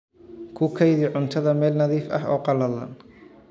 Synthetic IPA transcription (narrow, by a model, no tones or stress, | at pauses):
kʰʊkʰɛjðɪʕʊnt̪ʰɐðɐmɛːlnɐðiːfɐ̰ɦɔ̰ːqɑlɐlɐ̰n